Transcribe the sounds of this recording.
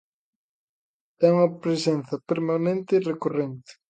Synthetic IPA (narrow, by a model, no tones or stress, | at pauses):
ɛuŋɐpɾesenθɐpeɾmanẽnt̪ɪirekorent̪ɪ̥